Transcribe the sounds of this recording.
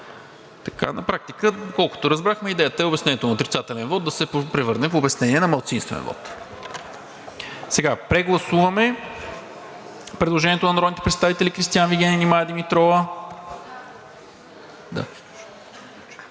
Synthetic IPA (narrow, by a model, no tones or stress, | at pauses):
t̪ɐ̥ka̰nɐpɾak̚t̪ikəd̪okɔlˠko̥t̪oɾɐzbɾaxmɛid̪ɛjət̪əɛobɛsnɛnɛt̪onɐot̪ɾʲit̪sat̪ɛlɛnvɔt̪̚d̪ɐsɛppɾɛvɤɾnɛfobɛsnɛniɛnɐmɐlˠt̪sinst̪vɛ̰nvɔ̰t̪ | sɛɡapɾɛɡlˠɐsuvɐmɛ | pɾɛd̪lˠoʒɛniɛt̪onɐnɾɔdnit̪ɛ̥pɾɛt̪st̪avit̪ɛlikɾist̪ijanviɡʲɛninimajəd̪imit̪ɾɔvə | d̪a̰